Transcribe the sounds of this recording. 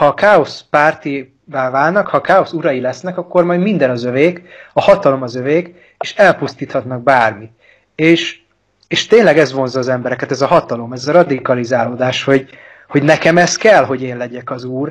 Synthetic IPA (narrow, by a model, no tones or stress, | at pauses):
hɒkaːo̞spaːrt̪i | baːvaːlnɒkhɒkaːo̞suɾɒjilɛsnɛkɒkːo̞rmɒjd̪mind̪ɛnɒzøveːkɒhɒt̪ɒlo̞mɒzøveːk | eːʃɛlpust̪iːt̪hɒt̪nɒɡ̚baːrmi | eːʃ | eːʃt̪eːnlɛɡɛzvo̞nzɒːzɛmbɛɾɛkæt̪ɛzɒɦɒt̪ɒlo̞mɛzɒɾɒd̪ikɒlizaːloːd̪aːʃho̞ɟ | ho̞ɟnɛkɛmɛst̪kɛlɦo̞ɟeːnlɛɟɛkɒzuːr